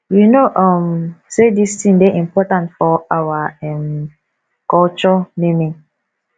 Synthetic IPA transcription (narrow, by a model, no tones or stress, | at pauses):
winoʔɔ̃msedistĩŋdeʔĩmpɔtãntfɔawaɛ̃m | kɔlt͡ʃɔnemĩŋ